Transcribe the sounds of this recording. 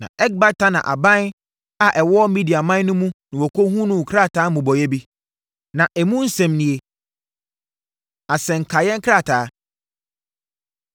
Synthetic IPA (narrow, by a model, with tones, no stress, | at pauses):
nã̰˨ɛ˦ɡ̚ba˦tʰa˦nã̰˨ʔa̰˨bã˦n | a˨ʔɛ˨wɔ˦ɔ˦mĩ˦di˨a˨mã˦n˦nʊ̃˦mũ˦nʊ̃˨wɔ˨kʰo˦hũ˦nʊ̃˦˨kʰɾa˦˨tʰaː˨˦mũ˨bɔ˨jɛ˦bi˦ | nã˨ʔɛ˨mũ˦n̩˦sɛ̃˨mnĩ˨e˨ | a˨sɛ̃˨ŋ̩˨kʰa˨jɛ̃˦ŋ˦kʰɾa˦˨tʰaː˨˦